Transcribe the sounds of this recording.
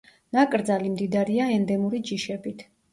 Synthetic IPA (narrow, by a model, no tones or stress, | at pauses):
nakʼɾd̪zalimd̪id̪aɾiaɛnd̪ɛmuɾid͡ʒiʃɛbit̪ʰ